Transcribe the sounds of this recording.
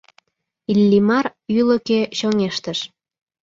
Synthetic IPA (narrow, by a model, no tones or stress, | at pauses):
ilːimɑryləkeɕoŋeʃt̪əʃ